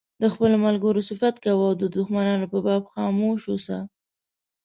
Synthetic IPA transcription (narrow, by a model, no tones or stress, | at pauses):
d̪əxpəlomalɡəɾosɪfat̪kawawd̪əd̪ʊxmanɑnopəbɑbxɑmoʃosa̰